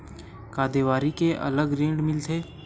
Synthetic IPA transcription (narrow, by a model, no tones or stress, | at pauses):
kaːd̪eʋaːɾikeʔɐ̰ləɡɾẽːɳɖmɪlt̪ʰeː